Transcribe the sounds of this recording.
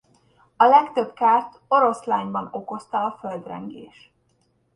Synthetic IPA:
ɒlɛkt̪ø̞bkaːrt̪o̞ɾo̞slaːɲbɒno̞ko̞st̪ɒɒføld̪rɛ̰ŋɡḛːʃ

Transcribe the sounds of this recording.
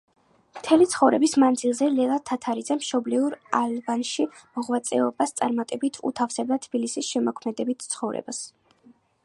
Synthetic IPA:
mt̪ʰɛlit̪sʰχɔvɾɛbismand̪zilˠzɛlɛlˠat̪ʰat̪ʰaɾid̪zɛmʃɔbliuɾalbanʃimɔʁvat̪sʼɛɔbast̪sʼa̰ɾmat̪ʼɛbit̪ʰṵt̪ʰafsɛb̚d̪at̪ʰb̥ilisisʃɛmɔkʰmɛd̪ɛbit̪ʰt̪sʰχɔvɾɛ̰bas

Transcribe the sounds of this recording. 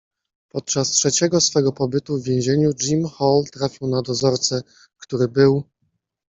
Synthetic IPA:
pɔt̪̚t͡ʂastʂɛt͡ɕɛɡɔsfɛɡɔpɔbɘt̪uvʲjẽw̃ʑeɲud͡ʐimxɔlt̪ɾafʲiwnad̪ɔzɔɾt̪sɛ | kt̪uɾɘbɘw

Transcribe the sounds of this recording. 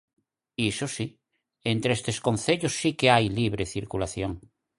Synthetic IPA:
isosi | ent̪ɾeest̪esko̞n̟θeʎosːikeajliβ̞ɾeθiɾkulaθjoŋ

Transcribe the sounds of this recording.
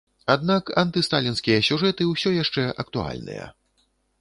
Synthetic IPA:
ad̪nakɐ̰nt̪ɨst̪alʲinskʲijɐsʲuʐɛt̪ɨwsʲɔjaʂt͡ʂɛʔɐk̚t̪ua̰lʲnɨ̰jɐ̰

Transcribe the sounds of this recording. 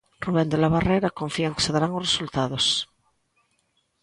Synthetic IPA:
ruβend̪elaβ̞areɾakoɱfiaŋke̥seðaɾaŋosresult̪að̞os

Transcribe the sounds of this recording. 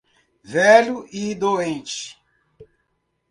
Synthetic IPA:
vɛʎuid̪oẽnt͡ʃɪ̥

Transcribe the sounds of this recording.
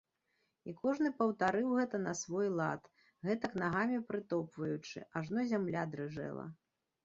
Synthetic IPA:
ikɔʐnɨpɐwt̪aɾɨwɣɛt̪ɐnɐsvɔjlˠa̰t̪ | ɣɛt̪ɐknaɣamʲipɾɨt̪ɔpvɐjut͡ʂɨ̰ʔaʐnɔzʲamlʲad̪ɾɨʐɛ̰lˠɐ̰

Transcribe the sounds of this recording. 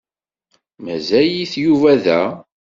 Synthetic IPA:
mæzæjiθjuvæðæ

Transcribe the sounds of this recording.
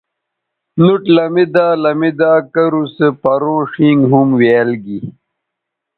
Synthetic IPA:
nuʈlɐmid̪aːlɐmid̪aːkɐɾusepɐɾõːʂĩŋɡɦumweːlɡi

